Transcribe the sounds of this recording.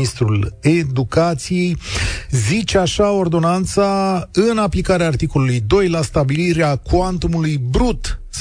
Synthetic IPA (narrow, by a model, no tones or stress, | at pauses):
ist̪ɾule̞d̪ukat̪sije̞jzit͡ʃeaʃao̞rd̪o̞nant̪saɨnaplikaɾeaːrt̪iko̞lulujd̪o̞jlast̪abiliɾeakwant̪umulujbɾut̪ | s